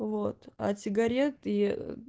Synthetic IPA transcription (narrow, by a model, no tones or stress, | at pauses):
vot̪a̰sʲɪɡɐɾʲet̪i